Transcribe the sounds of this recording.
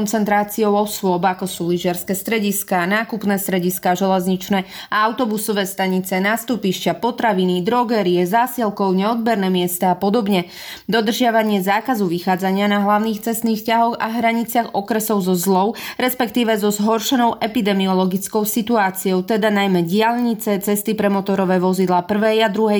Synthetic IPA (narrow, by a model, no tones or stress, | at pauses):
nt͡sɛnt̪ɾaːt͡siɔʊɔsʊɔbakɔsuːliʒɪɛɾskɛːst̪ɾɛɟiskaːnaːkupnɛːst̪ɾɛɟiskaːʒɛlɛzɲit͡ʃnɛːaaʊt̪ɔbusɔʋɛːst̪aɲit͡sɛnaːst̪upiʃcapɔt̪ɾaʋinid̪ɾɔɡɛɾiɛzaːsɛlkɔʊɲɛɔd̪̚bɛɾnɛːmɪɛst̪aːpɔd̪ɔbɲɛ | d̪ɔd̪r̩ʒɪaʋaɲɪɛzaːkazuʋixaːd͡zaɲɪanaɦlaʊniːxt͡sɛst̪niːxscaɦɔɣa̰ɦɾaɲit͡sɪaɣɔkɾɛsɔʊzɔzlɔʊɾɛspɛkt̪iːʋɛzɔzɦɔɾʃɛnɔʊʔɛpid̪ɛmiɔlɔɡit͡skɔʊsit̪uaːt͡siɔʊt̪ɛd̪anajmɛɟɪaʎɲit͡sɛt͡sɛst̪ipɾɛmɔt̪ɔɾɔʋɛːʋɔzid̪laːpr̩ʋɛjad̪ɾuɦɛ